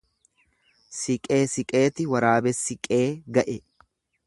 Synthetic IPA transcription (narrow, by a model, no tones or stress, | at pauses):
sɪkʼeːsɪkʼe̞ːt̪ɪwɐɾaːbɛsɪkʼeːɡɐʔɛ